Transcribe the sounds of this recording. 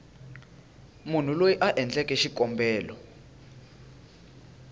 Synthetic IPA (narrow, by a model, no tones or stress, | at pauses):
mun̤ulojiʔaʔɛnd͡ɮʼɛkʼɛʃikʼɔmbʱɛːlɔ